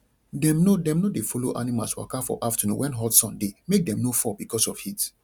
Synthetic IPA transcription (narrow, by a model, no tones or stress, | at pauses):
dɛ̃mnodɛ̃mnodefoloʔanĩmaswa̰kafɔ̰ʔaftanṵ̃wɛ̃nɦɔdsɔ̃ndemek̚dɛ̃mnofɔbikɔsɔfhit